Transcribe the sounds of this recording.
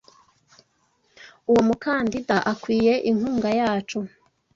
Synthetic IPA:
uwo̞mukaːndidaʔakwiːje̞ʔiŋ̥huːŋɡajaːt͡ʃu

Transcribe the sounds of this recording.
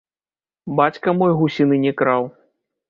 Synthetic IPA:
bat͡sʲkɐmɔjɣusʲinɨnʲɛkɾaw

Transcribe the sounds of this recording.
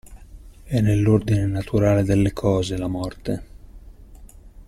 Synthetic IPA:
ɛnːelːord̪inenat̪ʰuɾaːled̪elːekʰɔːzelamɔrt̪e

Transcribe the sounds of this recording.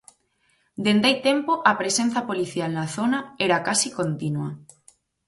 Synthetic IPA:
d̪end̪ajt̪empoʔɐpɾesen̟θɐpoliθjalnaθonaɛɾakasikont̪inwɐ

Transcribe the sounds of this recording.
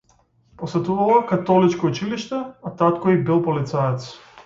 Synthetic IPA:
posɛt̪uvalˠɔkat̪ɔlit͡ʃkɔut͡ʃiliʃt̪ɛat̪at̪kɔibilˠpɔlit̪sajɛt̪s

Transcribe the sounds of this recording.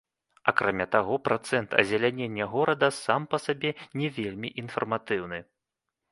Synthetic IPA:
akɾʔamʲat̪aɣɔpɾʔat̪sɛnt̪ʰɐ̰zʲɛlʲanʲenʲːɛɣɔɾɐd̪ɐsampɐsabʲɛnʲɛvʲelʲmʲiʔin̪fɐ̰rmat̪ɨwnɨ

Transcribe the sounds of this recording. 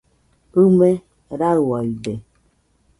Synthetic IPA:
ume | ɾawaide

